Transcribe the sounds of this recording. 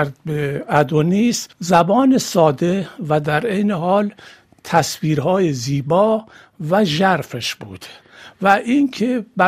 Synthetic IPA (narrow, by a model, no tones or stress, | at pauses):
ɾd̪̚beæd̪oniːszæbɒːnesɒːd̪e̞væd̪æɾejneɦɒːl | t̪ʰæsviːɾɦɒːjeziːbɒː | væʒæɾfeʃbuːd̪̥ | væʔiŋkʰebæ